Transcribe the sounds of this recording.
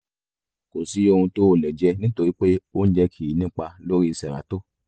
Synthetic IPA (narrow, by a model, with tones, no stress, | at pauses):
ko˨si˨˦o˧hũ˧to˦˧˨lɛ˨d͡ʒɛ˧nĩ˦to˧ɾi˦k͡pe˦o˦n̩˦d͡ʒɛ˧kʰi˨i˨nĩ˦k͡pa˧lo˦ɾi˦i˧sɛ˨ɾa̰˨˦to˦